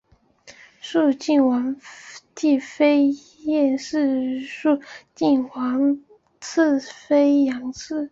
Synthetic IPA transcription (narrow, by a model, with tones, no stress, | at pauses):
ʂu˥˧t͡ɕi˥˩nwɑ˧˥ŋti˥˩fe˥ɪ | jɛ˥˧nʂɻ̩˥˧ʂu˥˧t͡ɕi˥˩nwɑ˧˥ŋ | t͡s̩ʰ˥˩fe˥ɪjɑ˧˥ŋt͡s̩ʰ˥˩